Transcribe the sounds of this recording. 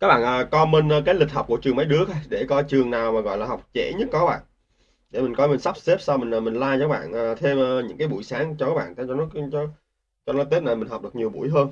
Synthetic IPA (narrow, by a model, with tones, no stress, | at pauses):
kaː˦˥k̚ɓa̰ː˧˨nʔəː˨˩kɔ˧mi˧nʔəː˧kaː˨˦jlï˨˩k̟̚hə˨˩k͡p̚ku˧˩ət͡ɕɨ˨˩əmə˨˦jɗɨ˨˦əkːɗe˧˩kɔ˨˦t͡ɕɨ˨˩əŋnaː˨˩wmaː˨˩ɣɔ̰˧˨jlaː˨˩ɦa˨˩wk͡p̚t͡ɕḛ˧˩ɲɨ˦˥t̚kːɔ˨˧˦ɓa̰ː˧˨n | ɗe˧˩mï˨˩ŋ̟kɔ˨˦jmi˨˩nsa˦˥p̚se˦˥p̚sa˧wmï˨˩nː˨˩mï˨˩ŋ̟laː˧jɔ˧˦˥ɓa̰ː˧˨nʔəː˨˩t̪ʰe˧mʔəː˧ɲɨ̰˧˥ŋkaː˨˦jɓṵ˧˩˨jsaː˨˦ŋt͡ɕɔ˧kaː˨˦˥ɓ̰a̰ː˧˨nt̪ʰt͡ɕɔ˧nɔ˦˧t͡ɕɔ˧˦ | t͡ɕɔ˧nɔ˨˦jt̪e˦˥p̚na˨˩jmi˨˩ŋ̟ɦɔ˨˩k͡p̚ɗɨ˨˩ək̚ɲi˨˩əwɓu˧˩əjɦəː˧n